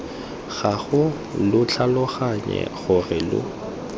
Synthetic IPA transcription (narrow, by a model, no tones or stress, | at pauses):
ɣaɣʊ | lʊt͡ɬʰalʊɣaɲɛ̰ɣʊrɪlʊ̰